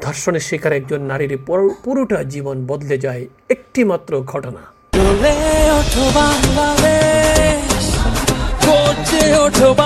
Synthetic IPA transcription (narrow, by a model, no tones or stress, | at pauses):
d̪ʱɔɾsɔñeʃikʰaɾek̚d͡ʒonːaɾiɾeppuɾuʈad͡ʒibɔnbɔd̪led͡ʒae | ek̚ʈimat̪ɾoɡʱɔʈɔna̰ | ɾoleɔʈʰobaŋlad̪e | ʃ | koɾt͡ʃeoʈʰoba